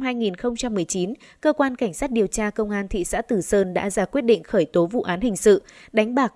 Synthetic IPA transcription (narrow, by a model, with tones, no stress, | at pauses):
mhaː˧jŋi˨˩nxə˧wŋ͡mt͡ɕa˧mːɨ˨˩əjt͡ɕi˨˦n | kəː˧kwaː˧nka˧˩jŋ̟saː˦˥t̚ɗi˨˩əwt͡ɕaː˧kə˧wŋ͡mʔaː˧nt̪ʰḭ˧˨sa̰ː˧˥t̪ɨ˧˨˩səː˧nɗa̰ː˧˥zaː˧˩kwi˦˥ət̚ɗḭ˧˨ŋ̟xəː˧˩jt̪o˨˦vṵ˧˨ʔaː˨˦nhï˨˩ŋ̟sɨ̰˧˨ɗa˨˦ŋ̟ɓaː˨˩k̚